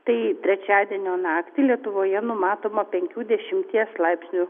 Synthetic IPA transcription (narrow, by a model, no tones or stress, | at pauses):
t̪ɐɪt̪ʲɾʲɛt͡ʃʲæːd̪ʲiɛnʲoːnɑːkt̪ʲɪlʲiɛt̪ʊʋoːjɛnʊmɑːt̪oːmɐpʲɛŋʲkʲuːd̪ʲɛʃʲɪmʲt̪ʲiɛslˠɐɪpʲsʲnʲu